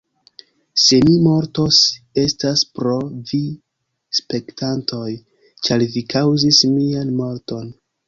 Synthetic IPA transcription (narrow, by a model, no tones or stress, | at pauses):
se̞mimo̞ɾto̞se̞staspɾo̞vi | spe̞ktantʰo̞j | t͡ʃaɾvikawzismianmo̞ɾto̞n